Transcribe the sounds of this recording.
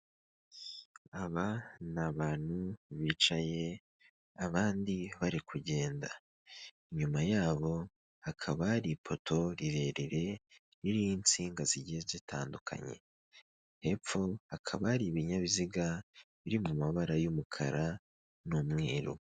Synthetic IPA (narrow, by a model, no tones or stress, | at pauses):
aβanaβaːn̥huβiːt͡ʃaje̞ | aβaːndiβaɾikuɟe̞ːnda | iɲumajaːβo̞ | hakʰaβaɾipʰo̞tʰo̞ɾiɾe̞ɾiɾe̞ | ɾiɾijint͡siːŋɡaziɟiezitʰaːndukʰa̰ɲe̞̰ | he̞pp͡fo̞hakʰaβaɾiβiɲaβiziɡaβiɾimumaβaɾajumukʰa̰ɾa | numŋeːɾo̰